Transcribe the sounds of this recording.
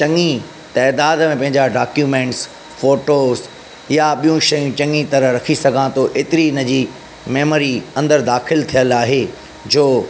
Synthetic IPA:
t͡ɕɐ̃ŋi | t̪ɛːd̪aːd̪mẽpɐ̃ɦɪ̃ɲd͡ʑaɖaːkjuːmẽːɳʈs | foːʈoːz | jaɓijũʃɐjũt͡ɕɐ̃ŋit̪ɐɾəɾɐkʰisɐɡʱãt̪ʰoʔeːt̪ɪɾiɪnə̆d͡ʑiː | meːmːɾiɐ̃nd̪əɾd̪aːxɪlt̪ʰijəlaːɦe | d͡ʑoː

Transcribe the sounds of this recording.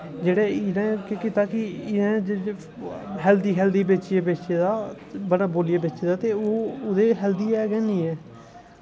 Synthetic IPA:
d͡ʒeːɽeːɪnɛ̃ːkekɪt̪aːkɪɪnẽːd͡ʒ | ɦɛld̪iːɦɛːld̪iːbet͡ʃieːbet͡ʃeːd̪aː | bəɽaːboːlɪjaːbet͡ʃːeːd̪aːt̪eːoːʊd̪eːɦɛld̪iːɛːɡɛːnĩːɛː

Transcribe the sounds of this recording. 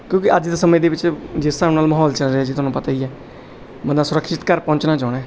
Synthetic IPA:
kjõːkɪʔəd͡ʒd̪aːsəmẽːd̪eːʋɪt͡ʃd͡ʒɪstãːnaːlməɦɔːlt͡ʃəlɾeɛːd͡ʒit̪ʊɦaːnũːpət̪aːiːɛː | bənd̪aːsʊɾəkʃɪt̪kəɾpɔ̃ːnt͡ʃnãːd͡ʒaːɽɛ̃ː

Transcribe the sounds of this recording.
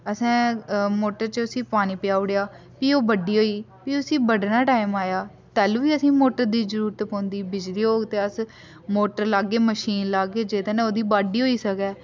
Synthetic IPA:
əsɛ̃ːmoːʈəɾt͡ʃəʊsĩːpaːniːpɪjaːʊɽejaː | piːoːbəɖːiːɦoːiː | piːʊsĩːbəɖnaːʈaːɪmaːjaː | t̪ɛːlːʋiːəsĩːmoːʈəɾd̪iːzəɾuːɾət̪põːnd̪iːbɪd͡ʒliːɦoːɡt̪eːəs | moːʈəɾlaːɡːeːməʃiːnlaːɡeːd͡ʒeːd̪ẽːneːoːd̪iːbaːɖiːɦoːiːsəkɛː

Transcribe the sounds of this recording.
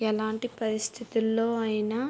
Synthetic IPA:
ɛlaːɳʈipɐɾist̪ʰit̪ulːoːɐjina

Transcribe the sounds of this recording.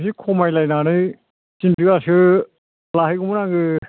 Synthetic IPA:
sikʰɔmajlajnanɯj | sindɯɡasɯ | laɦɯjɡumɯnaŋɡɯ

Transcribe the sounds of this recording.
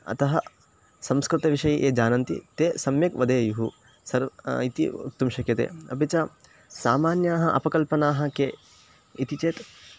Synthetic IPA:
ɐ̰t̪ɐɦɐ | sɐmskɾɪt̪ɐʋiʃɐjiʔeːd͡ʒaːnɐnt̪ḭt̪eːsɐmjɐkʋɐd̪eːjuɦu | sɐɾit̪ḭṵt̪ːumʃɐkjɐt̪ḛːɐ̰pet͡ʃɐ | saːmaːnjaːɦɐʔɐ̰pɐkɐlpɐnaːɦɐ̆keː | it̪it͡ʃeːt̪

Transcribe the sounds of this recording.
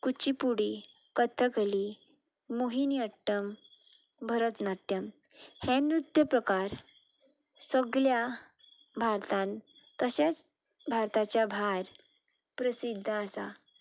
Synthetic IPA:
kut͡ɕipuɽikət̪ʰːəkəli | moɦiniəʈːəm | bʱəɾət̪nat̪jəm | henɾut̪jəpɾəkaɾ | səɡɭja | bʱaɾt̪ãnkəɕat͡s | bʱaɾt̪at͡ɕjabʱaɾpɾəsid̪ʱːaəsa

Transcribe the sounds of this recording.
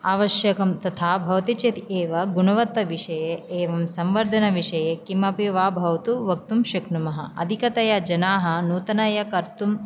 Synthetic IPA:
aːʋɐʃjɐkɐmt̪ɐt̪ʰaːbʱɐʋɐt̪it͡ʃet̪ʰieːʋɐɡunɐʋɐt̪ːɐʋiʃɐjeeːʋɐmsɐmʋɐɾd̪ʱɐnɐʋiʂɐjekimɐpiʋaːbʱɐʋɐt̪uʋɐk̚t̪umʃɐknumɐɦɐɐ̰d̪ʱikɐt̪ɐjɐd͡ʒɐnaːɦɐnuːt̪ɐnɐjɐkɐɾt̪um

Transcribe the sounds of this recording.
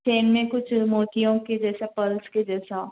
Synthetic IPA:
t͡ʃeːnmẽkʊt͡ʃʰmoːʈijõked͡ʒɛːsapɐlsked͡ʒɛːsa

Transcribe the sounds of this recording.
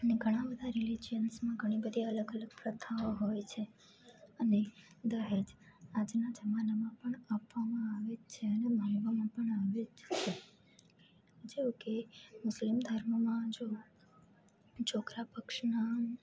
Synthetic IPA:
əneɡʱəɽ̃ãbəd̪ʱaɾɪled͡ʒijənsmãɡʱəɽ̃ibəd̪ʱiələɡələɡpɾət̪ʰaoɦojt͡ʃʰe | əne | d̪əɦed͡ʒad͡ʒnad͡ʒəmanamãpəɳapʋamãaʋet͡ʃʰeənebʱaɳʋamãpəɳaʋed͡ʒt͡ʃʰe | d͡ʒeũkemʊslimd̪ʱəɾməmãd͡ʒo | t͡ʃʰokɾapəkʃna

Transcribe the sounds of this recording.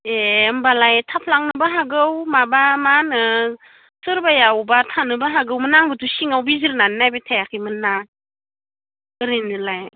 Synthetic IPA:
embalajtʰapʰlaŋnɯbaɦaɡɯwmabamanɯ | sɯɾbajawbatʰanɯbaɦaɡɯwmɯnaŋbɯtʰusiŋawbiziɾnannajbetʰajakʰimɯna | ɯɾinɯlaj

